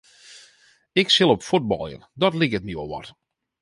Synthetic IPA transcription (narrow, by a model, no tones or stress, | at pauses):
ɪksɪlˠopfud̚bɔ̰lˠjə̰ndɔtlikətnjo̰ʋɔ̰t